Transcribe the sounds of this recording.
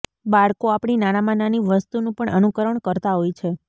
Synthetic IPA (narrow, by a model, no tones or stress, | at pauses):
baɭkoapɳ̃inanamananiʋəst̪unũpəɳʔənukəɾəɳkəɾt̪aɦojt͡ʃʰe